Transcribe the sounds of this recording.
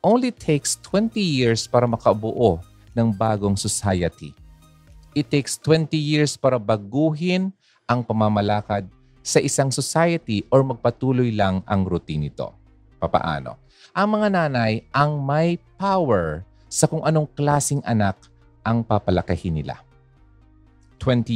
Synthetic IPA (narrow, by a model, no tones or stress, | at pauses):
ʔownlit̪ʰekst̪ʰwɛnt̪ijiɹspaːɾɐmɐkɐbʊʔo | nɐŋbaːɡo̞ŋsosajɐt̪i | ʔɪt̪ːejkst̪wɛnt̪ijiɹspaːɾɐbɐɡuːɦɪn | ʔɐŋpɐmamɐlaːkɐd̪̚ | sɐʔɪsaŋsosajɐt̪iʔoɹmɐɡ̚pɐt̪uːlojlaŋʔɐŋɾʊt̪inɪt̪o̞̰ | pɐpɐ̰ʔa̰ːno̞̰ | ʔɐŋmɐŋanaːnɐjʔɐŋmɐjpawɛɹ | sɐkʊŋʔɐno̞ŋklaːsɪŋʔɐnak̚ | ʔɐŋpapɐlɐkɐhɪnɪla̰ | t̪wɛnt̪